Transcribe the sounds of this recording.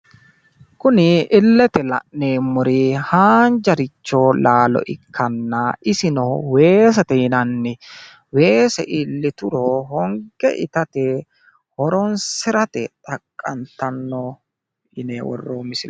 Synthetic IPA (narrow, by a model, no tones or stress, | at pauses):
kʊnɪɪlːɛt̪ɛlɐ̰ʔneːmʊɾɪhaːnd͡ʒɐɾɪt͡ʃːoːlaːlɔ̰ʔɪkʰːɐnːaɪsɪnɔwe̞ːs̬ɐt̪ɛɪnɐnːɪ | we̞ːsɛʔɪlːɪt̪ʊɾɔhɔŋɡɛ̰ʔɪ̰t̪ɐt̪ɛ | hɔɾɔnsɪɾɐt̪ɛ̰t̪ʼɐkʼːɐnt̪ɐnːɔ | ɪneːwɔ̰rːoːmɪsɪl